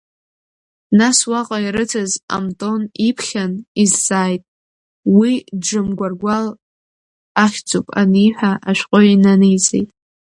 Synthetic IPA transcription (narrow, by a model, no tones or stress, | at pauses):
naswaqʼaiɾɨtʰaza̰mtʼo̞nipʰχʲanizːaːjtʼ | widd͡ʒɨmɡʷarɡʷal | aχʲd͡zʼupʼa̰nijħʷᶣaʔaʃʷᶣqʼoinanɨjt͡sʼḛjtʼ